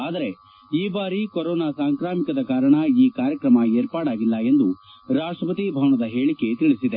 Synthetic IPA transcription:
aːd̪ɐɾe̞ | iːbaːɾikoɾɔːnaːsaːŋkɾaːmikɐd̪ɐkaːɾɐɳɐiːkaːɾjɐkɾɐmɐe̞ːɾpaːɽaːɡilːɐe̞nd̪u | ɾaːʂʈɾɐpɐt̪ibʱɐʋɐɳɐd̪ɐɦe̞ːɭikːe̞t̪iɭisid̪e

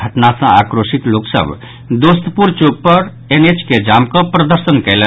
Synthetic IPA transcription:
əʈnasə̃akɾosit̪loksə̰b | d̪ost̪əpuɾt͡ʃoɡ̚pəɾ | enet͡ʃked͡ʒamkə̃pɾəd̪əɾsənkɛɪlə

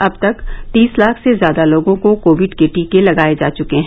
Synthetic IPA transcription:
ɐb̚t̪ɐkt̪iːslaːkʰsezjaːd̪aloːɡõkokoːʋɪɖkeːʈikelɐɡaːed͡ʒaːt͡ʃʊkeɦɛ̃

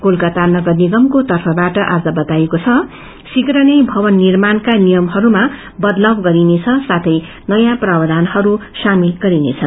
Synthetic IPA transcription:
kolkat̪arnʌɡʌrniɡʌmkot̪ʌrpʰʌbaʈʌʔad͡zʌbʌt̪ajekot͡sʰʌ | sikrʌnʌjbʱʌbʌnːirmankanijʌmɦʌɾuma | bʌd̪lʌbɡʌɾinet͡sʰʌsat̪ʰʌj | nʌjãprabʌd̪ʱanhʌɾusamilɡʌɾinḛt͡sʰʌn

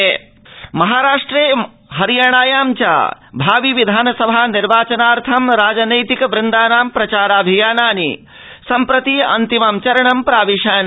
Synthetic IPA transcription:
mɐɦaːɾaːʂʈɾeː | ɦɐɾijaːɳ̃aːjaːmt͡ʃa̰bʱaːʋiʋid̪ʱaːnɐsɐbʱaniɾʋaːt͡ʃɐnaːɾt̪ʰɐmɾaːd͡ʒɐnɐjt̪ikɐʋɾɪnd̪aːnaːmpɾɐt͡ʃaːɾaːbʱijaːnaːnḭ | sɐmpɾɐt̪iɐ̰nt̪imɐmt͡ʃɐɾɐɳɐmpɾaːʋiʃaːn

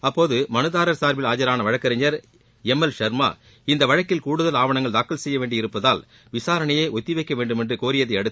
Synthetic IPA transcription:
ɐpːoːðɯmɐnɯðaːɾɐɾsaːɾʋɪlaːd͡ʒɐɾaːnɐʋɐɻɐkːɐɾɐɲɐɾ | ɛmːɛlʃɐɾma̰ː | ɪnd̪ɐʋɐɻɐkːɪlkuːɽɯðɐlaːʋɐɳɐŋɡɐɭd̪aːkːɐlsɛjːɐʋeːɳɖɪɪɾɯpːɐðaːl | ʋɪsaːɾɐɳɐjeːʔɔt̪ːɪʋɐɪkːɐʋeːɳɖɯmɛndrɯkoːɾɪjɐðɐɪɐɽɯt̪ː

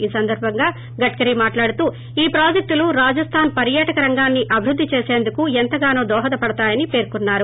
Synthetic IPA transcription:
iːsɐnd̪ɐɾbʱɐŋɡaː | ɡɐʈkɐɾimaːʈlaːɽut̪uː | iːpɾaːd͡ʒek̚ʈ̪uluɾaːd͡ʒɐst̪ʰaːnpɐɾjaːʈɐkɐɾɐŋɡaːnːiʔɐbʱiɾud̪ʱːit͡ʃe̞ːse̞ːnd̪ukuent̪ɐɡaːnoːd̪ɔːɦɐt̪ɐpɐɽɐt̪aːjɐnipeːɾkunːaːɾu

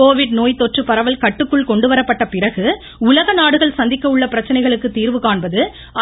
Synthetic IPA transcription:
oːʋɪɽnoːjt̪ːɔʈrɯpɐɾɐʋɐlkɐʈːɯkːɯɭkɔɳɖɯʋɐɾɐpːɐʈːɐpɪɾɐɣɯ | ʊlɐɣɐnaːɽɯɣɐɭsɐnd̪ɪkːɐɯɭːɐpɪɾɐt͡ʃːɐnɐɪɣɐɭɯkːɯt̪ːiːɾʋɯkaːɳbɐðɯ | ɐ

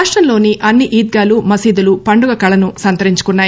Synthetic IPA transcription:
aːʂʈɾɐmlo̞ːniʔɐnːiʔiːd̪̚ɡaːlumɐsiːd̪ulupɐɳɖuɡɐkɐɭɐnusɐnt̪ɐɾiɲt͡ʃu̥kunːaː

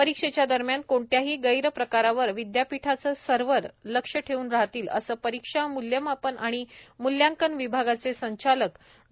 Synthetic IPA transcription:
pəɾikʂet͡ɕjad̪əɾmjankoɳʈjaɦiːɡəjɾəpɾəkaɾaʋəɾʋid̪japiʈʰat͡səːsəɾʋəɾləkʂəʈʰeuːnɾaɦt̪iːlə̰səːpəɾikʂamuljəmapənaɽ̃imuljãŋkənʋibʱaɡat͡sesəɲt͡ɕalək

